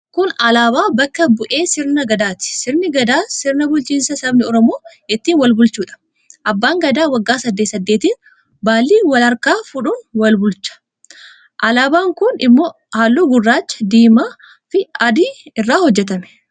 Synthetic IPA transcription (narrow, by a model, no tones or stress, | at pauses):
kʊnɐlaːbaːbɐkːɐbʊʔe̞ːsɪɾnɐɡɐd̪aːt̪ɪ̥sɪɾnɪɡɐd̪aːsɪɾnɐbʊlt͡ʃiːnsɐsɐbnɪɔɾɔmo̞ː | ɛt̪ːiːnwɐlbʊlt͡ʃuːᶑɐ̥ | ʔɐbːaːŋɡɐd̪aːwɐɡːaːsɐd̪ːet̪sɐd̪ːe̞ːt̪iːn | baːlːiːwɐlɐɾkaːfʊᶑʊnwɐlbʊlt͡ʃːɐ̥ | ʔɐlaːbaːŋkʊnɪ̰mːo | haːlːuːɡʊrːaːt͡ʃːɐ̥d̪iːmaː | fɪɐd̪iɪrːaːhɔd͡ʒːɛt̪ɐmɛ̥